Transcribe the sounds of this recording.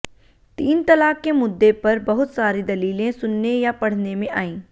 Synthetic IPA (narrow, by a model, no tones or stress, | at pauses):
t̪iːnt̪ɐlaːkːemʊd̪ːepɐɾbɐɦʊt̪saːɾid̪ɐliːlẽsʊnːejapɐɽ̤nemẽʔaːĩː